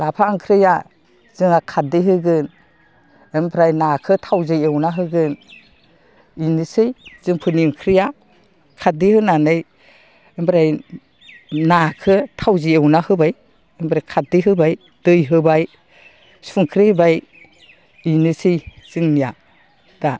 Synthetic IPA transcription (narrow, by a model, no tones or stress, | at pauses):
lapʰaŋkʰɾɯja | z̥ɯŋakʰadiɦɯɡɯn | embɾajnakʰɯtʰawzɯewnaɦɯɡɯn | inisɯjz̥ɯŋpʰɯniŋkʰɾija | kʰadihɯnanɯj | embɾaj | nakʰɯtʰawziewnahɯbaj | embɾajkʰat̚dɯɦɯbaj | d̥ɯjɦɯbaj | suŋkʰɾebaj | inɯsɯjz̥ɯŋnija | d̥a